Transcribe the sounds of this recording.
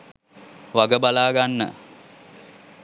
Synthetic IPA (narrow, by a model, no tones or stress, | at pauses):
ʋaɡəbalaːɡanːə̰